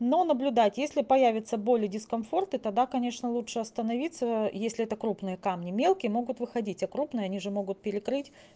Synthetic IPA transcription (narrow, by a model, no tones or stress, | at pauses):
no̞nəblʲʊd̪atʲjesʲlʲɪpɐjævʲɪt̪səbo̞lʲɪdʲɪskɐnfo̞rt̪ɨt̪ɐɡ̚d̪akɐnʲe̞ʂnəlˠutʂɨɐst̪ənɐvʲit̪səjesʲlʲɪɛt̪əkɾupnɨjəkamnʲɪmʲe̞lˠkʲɪjəmo̞ɡʊt̪vɨxɐdʲitʲɐkɾupnɨjəɐnʲiʐɨmo̞ɡʊt̪̚pʲɪɾʲɪkɾɨtʲ